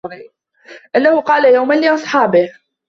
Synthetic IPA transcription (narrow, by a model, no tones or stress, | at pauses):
ɾ | ʔanːahʊqɑːlajawmanlːiːʔɑsˤħɑːbɪh